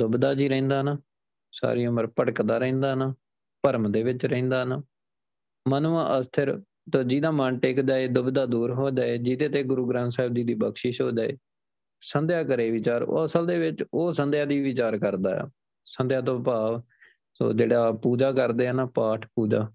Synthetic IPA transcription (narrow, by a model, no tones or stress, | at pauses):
d̪ʊbd̪aːd͡ʒiːɾɛ̃ːnd̪aːɦnaː | sa̰ːɾiːʊməɾpəɽəkd̪aːɾɛ̃ːnd̪aːɦnaː | pəɾmd̪eːʋɪt͡ʃɾɛ̃ĩːnd̪aːɦnaː | mənuːãːʔəst̪ʰəɾ | t̪oːd͡ʒiːd̪aːmənʈeːkd͡ʒaːeːd̪ʊbd̪aːd̪uːɾɦoːd͡ʒaːeːd͡ʒit̪eːt̪eːɡʊɾuːɡɾãːnsaːɪb̚d̪iːd̪iːbəkʃiʃɦoːd͡ʒaːḛː | sənd̪jaːkəɾeːʋɪt͡ʃaːɾo̰ːəsəld̪eːʋɪt͡ʃoːsənd̪ɪjaːd̪iːʋɪt͡ʃaːɾkəɾd̪a̰ː | sənd̪jaːt̪̬õːpaːʋ | so̰ːd͡ʒeːɽaːpuːd͡ʒaːkəɾd̪eːənaːpaːʈʰpuːd͡ʒaː